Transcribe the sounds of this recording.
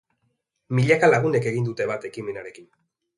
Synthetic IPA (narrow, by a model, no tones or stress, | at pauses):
miʎakalaɣune̞ke̞ɣind̪ut̪e̞βat̪e̞kime̞naɾe̞kin